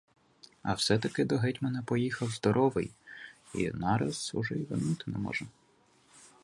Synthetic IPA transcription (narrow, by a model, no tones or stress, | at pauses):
ɐ̰wsɛt̪ɐkɪd̪ɔɦɛtʲmɛnɛpɔjixɐwzd̪ɔɾʔɔʋɪ̰j | ḭnɑɾɐz̥ʊʒɛiʋɪnut̪ɪnɛ̰mɔ̰ʒɐ